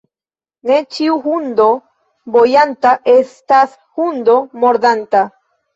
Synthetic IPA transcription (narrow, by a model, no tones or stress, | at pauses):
net͡ʃiuxund̪o | bojant̪aʔest̪as | hund̪omoɾd̪ant̪a